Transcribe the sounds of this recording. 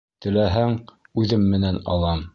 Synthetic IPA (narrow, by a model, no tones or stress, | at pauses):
t̪ɘ̆læɦæŋ | ʉðɘmːɘ̆nænɑ̰lˠɑm